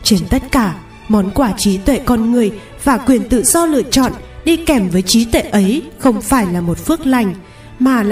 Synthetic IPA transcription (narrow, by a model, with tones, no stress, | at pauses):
t͡ɕe˨˧nt̪ə˦˥t̚kaː˧˩ | mɔ˨˦nkwaː˧˩t͡ɕi˨˦t̪wḛ˧˨kɔ˧nŋɨ˨˩əj | vaː˨˩kwi˨˩ənt̪ɨ̰˧˨zɔ˧lɨ̰˧˨ət͡ɕɔ̰˧˨nɗi˧kɛ˧˩mvəː˨˦jt͡ɕi˨˦t̪wḛ˧˨ʔə˨˦jxə˧wŋ͡mfaː˧˩jlaː˨˩mo˨˩t̚fɨ˦˥ək̚la˨˩jŋ̟ | maː˨˩l